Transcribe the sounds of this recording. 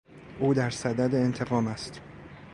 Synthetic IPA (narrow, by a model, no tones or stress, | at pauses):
ʔuːd̪æɾsæd̪æd̪eent̪ʰe̞ɣɒːmæst̪